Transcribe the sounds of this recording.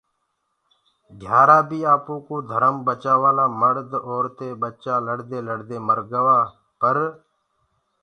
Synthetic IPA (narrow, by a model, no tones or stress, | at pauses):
ɡʱjaːɾaːbʱiːaːpõːkoːd̪ʱəɾəmbət͡ʃaːʋaːlaːməɾd̪oːɾt̪eːɓət͡ʃaːləɽd̪eːləɽd̪eːməɾɡəʋaː | pəɾ